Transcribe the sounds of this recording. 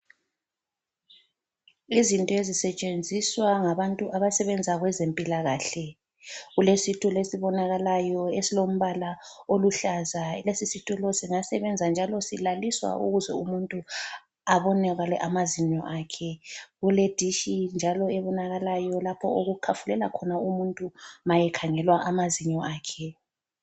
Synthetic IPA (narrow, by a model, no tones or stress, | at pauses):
izintʼɔezisɛt͡ʃʼend͡zʱiswaŋaβantʼuʔaβasɛβɛnd͡zʱaɣwɛzempʼilaɣaːɬɛ | ɣulesitʼʰulesiβɔnaɣalajɔesilom̩βalaoluɬazalesisitʼulɔsiŋasɛβɛnd͡zʱand͡ʒʱalɔsilaliswa̰ʔṵɣuzɛ̰umuntʼu | aβɔnɛɣalɛʔamaziɲɔ̰ʔaːkʰɛɣuled̥ʱiʃind͡ʒʱalɔɛβɔnaɣalajɔlapʰɔ̰oɣukʰafulɛla̰kʰɔnaumuntʼumajɛkʰaŋɛlwaʔamaziɲɔaːkʰɛ